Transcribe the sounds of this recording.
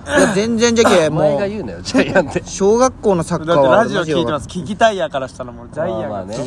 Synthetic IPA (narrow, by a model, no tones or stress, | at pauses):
jazẽ̞nd͡zẽnd͡ʑakemoːɡajɯːnojot͡ɕaat̪eɕo̞ːɡakːo̞ːno̞sakkd̪aβɾaʑioʑioiːt̪emaskʲiɡʲit̪aijakaɾaɕi̥t̪anomod͡ʑaiaan